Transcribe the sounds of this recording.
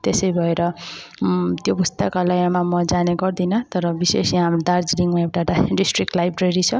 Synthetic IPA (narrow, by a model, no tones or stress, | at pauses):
t̪esʌjbʱʌeɾʌ | t̪jobʱust̪akalʌjamamʌd͡zaneɡʌrd̪inʌt̪ʌɾʌbisesiɦamrod̪ard͡zliŋmaewʈaɖaɖisʈrikʈlajbreɾit͡sʰʌ